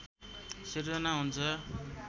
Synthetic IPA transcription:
sird͡zʌnaɦunt͡sʰʌ

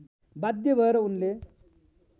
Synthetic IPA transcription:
bad̪jəbəɾunle

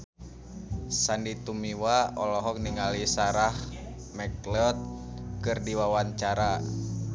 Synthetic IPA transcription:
sandit̪umiwaɔlɔɦɔk̚niŋalisaɾah | mɛklɔt̪̚kɨrdiwawaɲt͡ʃaɾa

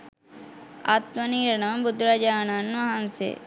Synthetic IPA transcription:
a̰t̪mɐniːɾɐnɐmbʊd̪ɾad͡ʒaːnanmɐɦansḛ

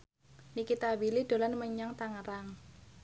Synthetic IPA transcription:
nikit̪awilid̪̥o̤lanməɲaŋt̪aŋəɾaŋ

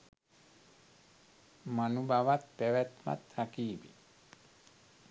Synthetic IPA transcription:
manubʱaʋat̪̚pɛʋɛt̪ma̰t̪hakiːbḛ

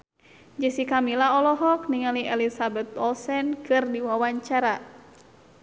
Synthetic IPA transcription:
d͡ʒəsikamilaɔlɔɦɔkniŋaliɛlisabɛt̪̚ɔlsɛnkɨrdiwawaɲt͡ʃaɾa

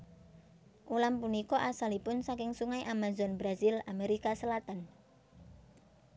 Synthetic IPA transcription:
ʔulampunikɔʔasalipʊnsakɪŋsuŋaiʔamazɔnbɾazilameɾikasəlat̪an

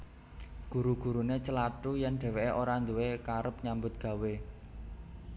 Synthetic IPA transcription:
ɡ̥ṳɾuɡ̥ṳɾunet͡ʃəlaʈujɛnɖ̪̥ɛ̤weʔeʔoɾand̪uwekaɾəp̚ɲambʊt̪̚ɡ̥ä̤we

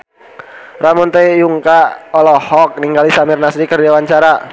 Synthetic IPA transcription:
ramɔnt̪ɛjuŋkaɔlɔhɔk̚niŋɡalisamirnasɾikərdawaɲt͡ʃaɾa

